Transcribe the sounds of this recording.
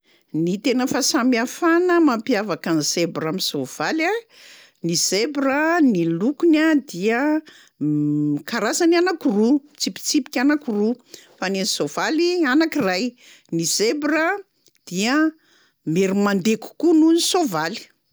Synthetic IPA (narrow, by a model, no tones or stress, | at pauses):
nit̪enəfasamiafanəmampiavakanisebramisov̥ala | nizebrənilukunad̪iə | kaɾasananakurut͡sipi̥t͡sipi̥kʲanakiru | fanenisov̥alianakiraj | nizebɾə | d̪̥iə | meɾimand̪eku̥kununisovali̥